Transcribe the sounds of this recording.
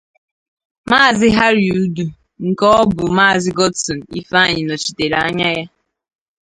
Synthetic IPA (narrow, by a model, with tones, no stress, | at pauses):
maː˦˨zɪ˦ɦa˦ɾi˨u˨du˨ | ŋ̩˨kɔ˦bʊ˨maː˦˨zɪ˦ɡɔ˦dsɔ˨n̩˨ḭ˦fa˦˨ɲɪ˨nɔ˨t͡ʃi̥˨te˨ɾa˦ɲa˦ja˦